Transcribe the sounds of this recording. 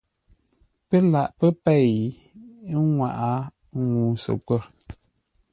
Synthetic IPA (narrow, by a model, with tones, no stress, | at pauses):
pə˦la˨ʔpə˦pɛ˦˨j | ŋwa˨ʔa˨˦ | ŋu˨sə̰˨kwə˦˨